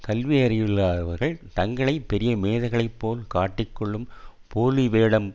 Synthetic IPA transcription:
kɐlʋɪjɐɾɪjɪɭːaːɐʋɐɾɣɐɭt̪ɐŋɡɐɭɐɪpɛɾɪjɐmeːðɐɣɐɭɐɪpːoːlkaːʈːɪkːɔɭːɯmpoːliʋeːɽɐm

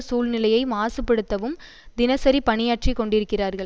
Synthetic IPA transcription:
suːlnɪlɐjɐɪmaːsɯpːɛɽɯt̪ːɐʋɯm | d̪ɪnɐsɐɾipɐɳɪjaːʈt͡ʃikːɔɳɖɪɾɯkːɪraːɾɣɐɭ

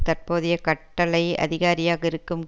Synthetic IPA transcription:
t̪ɐrpoːðɪjɐkɐʈːɐlɐɪɐ̰ðɪɣaːɾɪjaːɣɐɪɾɯkːɯm

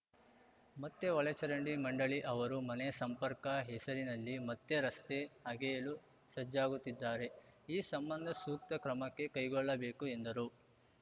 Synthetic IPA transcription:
mɐt̪ːe̞ʋɐɭɐt͡ʃɐɾɐɳɖimɐɳɖɐɭiʔɐʋɐɾumɐnɛjɐsɐmpɐɾkɐɦesɐɾinɐlːimɐt̪ːeɾɐst̪e̞ɐɡɛjɐlu | sɐd͡ʒaːɡut̪ːid̪ːaːɾe̞ | iːsɐmbɐnd̪ʱɐsuːk̚t̪ɐkɾɐmɐkːe̞kɐjɡɔɭːɐbe̞ːkue̞nd̪ɐɾu

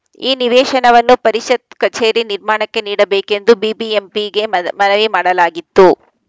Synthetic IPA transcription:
iːniʋɛːʃɐnɐʋɐnːupɐɾiʃɐt̪̚kɐt͡ʃe̞ːɾiniɾmaːɳɐkːe̞niːɽɐbeːke̞nd̪ubiːbiempiɡe̞mɐnɐʋimaːɽɐlaːɡit̪ːu

